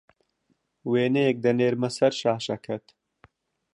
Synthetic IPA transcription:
weːnejek̚d̪ɐneːɾmɐsɐɾʃaːhʃɐkʰɐt̪

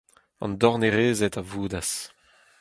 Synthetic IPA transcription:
ɑ̰̃nd̪ɔʁneʁeːzet̪avuːd̪as

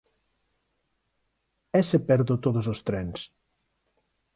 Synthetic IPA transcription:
ɛsepɛɾðot̪oðosost̪ɾɛns

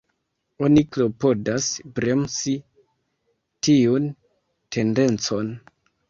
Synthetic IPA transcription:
o̞niklo̞po̞dasbɾe̞msi | tiun | te̞nde̞nt͡so̞n

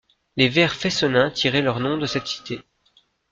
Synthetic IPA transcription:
levɛʁfesɔnɛ̃t̪ʰiʁɛlœʁnɔ̃d̪əsɛt̪si̥t̪e

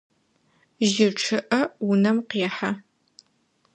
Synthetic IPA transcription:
ʒɪʈ͡ʂʰɨʔɐwʊnɐmqeːħa

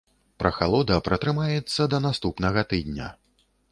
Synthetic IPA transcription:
pɾɐxalˠɔd̪ɐpɾɐt̪ɾɨmajɛt̪sːɐd̪ɐnast̪upnɐɣɐt̪ɨd̪ʲnʲɐ̰

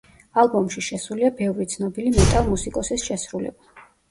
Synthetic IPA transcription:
alˠbɔmʃiʃɛsuliabɛvɾit̪sʰnɔbilimɛt̪ʼalˠmusikʼɔsisʃɛsɾulɛ̰ba

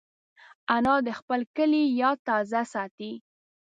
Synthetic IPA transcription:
anɑd̪əxpəlkəlijɑt̪ɑzasɑt̪i

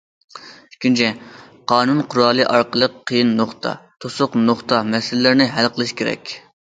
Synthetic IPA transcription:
y̥kʲʰint͡ʃʰɛ | qʰɑːnunqʰʊɾɑːlˠɨʔɑɾqəlˠəqʰːəjinːoχt̪ʰɑ̰t̪ʰosʊqnoχt̪ɑmɛsɪlɪlɪɾnɪɦælqʰəlˠɨʃkʲʰeɾɛ̰kʲ

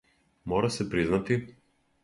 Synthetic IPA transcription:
mɔɾasɛpɾiznat̪i

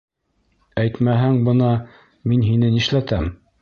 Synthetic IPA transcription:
æjt̪mæɦæŋbɤnɑ | minɦinɘniʃlæt̪æm

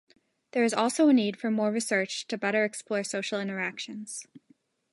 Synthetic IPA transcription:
ðə˞ɨzɔlˠsoʊənid̥fə˞mɔɹɹisɜ˞t͡ʃtʰɨbɛɾə˞ɛksplɔɪɹsoʊʃl̩ˠɪ̃ɾ̃ə˞ækʃɨ̃nz̥

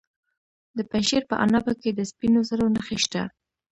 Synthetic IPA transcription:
d̪əpaʃeɾpəʔa̰nabaked̪əspinozəɾonaxeʃt̪a

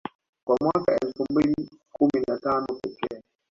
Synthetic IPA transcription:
kwamwakaɛlfumbili | kuminatanɔpɛtɛ

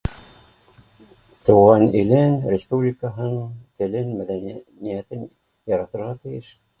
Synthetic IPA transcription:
t̪uʁɑnĭlɘnɾʲɪspublʲikəɦɤ̆nɤɴt̪ɘ̆lɘnmæðænnijæt̪ɘn | jɑɾɑt̪ɤ̆ɾʁɑt̪ɘ̆jɘʃ

